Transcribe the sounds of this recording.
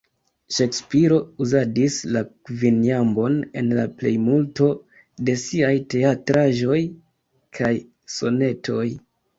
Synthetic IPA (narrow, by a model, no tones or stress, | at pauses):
ʃe̞kspiɾo̞uzadisla | vinjambo̞ne̞̰nlaple̞jmulto̞ | de̞siajte̞atɾaʒo̞j | kʰaj | so̞ne̞tʰo̞̰j